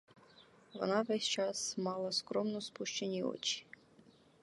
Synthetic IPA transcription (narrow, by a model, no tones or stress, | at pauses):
ʋɔ̰nɑʋɛsʲt͡ʃɑsmɑlˠɐskɾɔmnɔspuʃt͡ʃenʲiɔ̰t͡ʃi̥